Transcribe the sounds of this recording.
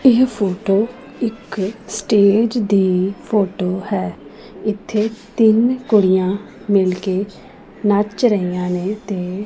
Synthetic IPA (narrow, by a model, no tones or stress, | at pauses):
ɪɦpʰoːʈoː | ɪksʈeːd͡ʒd̪iːpʰoːʈoːhɛː | ɪt̪ʰːeːt̪ɪnkʊɽijãː | mɪlkeː | nət͡ʃɾəiːãːneːt̪eː